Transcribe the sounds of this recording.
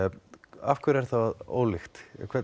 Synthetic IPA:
afkʰvʏɾɛɾ̥θawo̰ːwlixt̪kʰvɛ

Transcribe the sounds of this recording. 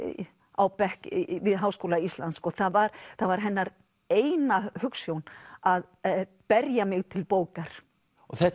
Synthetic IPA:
awpɛhkvɪðɦawskowlaist̪lant̪skɔθavaɾθavaɾ̥ɦɛnːaɾ | eːjnahʏksjownað | pɛɾjamɪɣt̪ʰɪlpoːwkaɾ̥ | ɔθɛ

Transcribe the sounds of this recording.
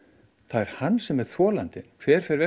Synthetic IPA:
θaðɛɾ̥hanːsɛmɛð̥θvɔːlant̪ɪnkʰvɛːɾ̥fɛɾvɛ

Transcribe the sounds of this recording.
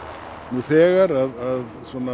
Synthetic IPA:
nuθɛːɣaɾaðað | sɔna

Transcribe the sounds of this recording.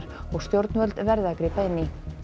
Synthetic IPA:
ɾ̥ɔɣst̪jowɾt̪nvœlt̪vɛɾðɪakɾiːpaɪnːɪ

